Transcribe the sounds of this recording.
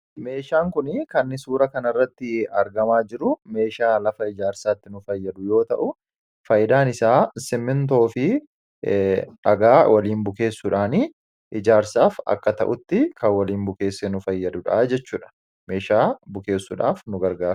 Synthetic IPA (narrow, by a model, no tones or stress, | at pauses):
me̞ːʃaːŋkʊnɪkɐnːɪsuːɾɐkɐnɐrːɐt̪ːɪɐɾɡɐmaːd͡ʒɪɾʊme̞ːʃaːlɐfɐɪd͡ʒaːɾsaːt̪ːɪnʊfɐjːɐd̪ʊjo̞ːt̪ɐʔʊ | fɐjɪd̪aːnɪsaːsɪmːɪnt̪o̞ːfɪ | ᶑɐɡaːwʔɐliːnbʊke̞ːsːʊᶑaːni | ʔɪd͡ʒaːɾsaːfɐ̰kːɐt̪ɐ̰ʔʊt̪ːɪkɐwɐliːnbʊke̞ːsːɛnʊfɐjːɐd̪ʊᶑaːd͡ʒɛt͡ʃːuːᶑɐ̥ | me̞ːʃaːbʊke̞ːsːʊᶑa̰ːfnʊɡɐɾɡḁː